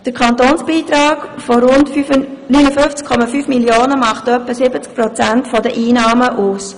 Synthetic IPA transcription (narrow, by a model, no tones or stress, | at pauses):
d̥əɾkʰɑnt̪oːnsb̥iːt̪ɾaːɡfoɾʊntfnynəfʏft͡skʰːɔmɑfyːfmiljoːnəmɑχtœpːəsɪbət͡sk̚pɾɔt͡sæntfɔdəʔiːnɑːməʔuːs